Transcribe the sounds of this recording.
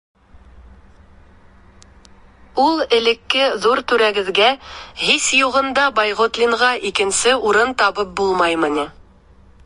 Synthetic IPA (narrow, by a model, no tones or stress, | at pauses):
ulˠɘ̆lɘ̆kːɘðuɾt̪ʉɾæɡɘ̆ðɡæhisjuʁɤ̆nd̪ɑbɑjʁŏt̪lʲiɴʁɑʔikɘ̆nsɘuɾɤnt̪ɑβɤp̚bulˠmɑjmɤ̆nʲi